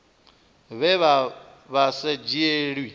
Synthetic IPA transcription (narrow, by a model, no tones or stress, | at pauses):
βɛβa | βased͡ʒieɺwi